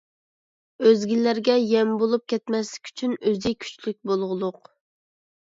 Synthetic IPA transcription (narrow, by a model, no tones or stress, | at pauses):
øzɡʲilːæɾɡʲɛjɛmbolˠup̚kʲɛt̪mɛslɪ̥kʲy̥t͡ʃʰynøzɪkʲʰy̥t͡ʃlyk̚ʲbolˠʁʊlˠʊq